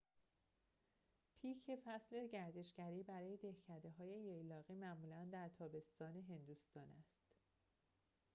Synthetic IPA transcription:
pʰiːcʰe̞fæsle̞ɟæɾd̪e̞ʃɡæɾiːbæɾɒːje̞d̪e̞hcʰæd̪e̞ɦɒːje̞jejlɒːɣiːmæʔmuːlænd̪æɾt̪ʰɒːbe̞st̪ɒːne̞ɦe̞nd̪ust̪ɒːnæst̪

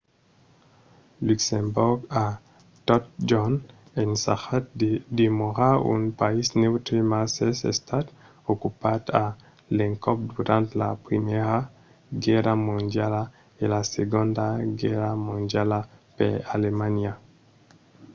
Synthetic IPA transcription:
luksẽmboɾɡa | t̪ɔt̚d͡ʒɔn | ensa̰xat̚d̪emoʁaṵnpaisnewt̪ɾimasesḛst̪at̪ | okupad̪a | lẽŋkɔp̚d̪uɾãnt̪la̰pɾimɛɾa | ɡɛɾamõndjala | elaseɡõndaɡɛɾamõndjalapḛalemanja

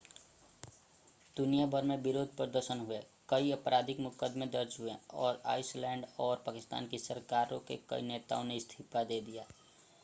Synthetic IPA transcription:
d̪̥ʊnijabʱəɾmẽbɪɾoːd̪ʱpɾəd̪əɾʃənɦʊe | kəiəpɾaːd̪ʱɪkmʊkəd̪mẽd̪əɾd͡ʒɦuḛ̃ɔ̰ːɾa̰ːɪslɛ̃ːɳɖɔːɾpaːkɪst̪a̰ːnkisəɾkaːɾõkḛkə̰ḭneːt̪a̰ːõneɪst̪ʰipad̪ed̪ijaː

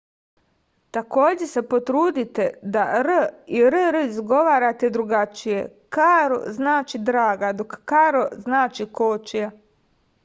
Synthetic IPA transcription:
t̪ako̞ːd͡ʑese̞po̞t̪ɾuːd̪it̪e̞d̪aɾəiɾɾəizɡo̞ʋaːɾat̪e̞d̪ɾuɡat͡ʃije̞ | kaɾo̰znaːt͡ʃid̪ɾaːɡad̪o̞kːaɾoznaːt͡ʃikoːt͡ʃija

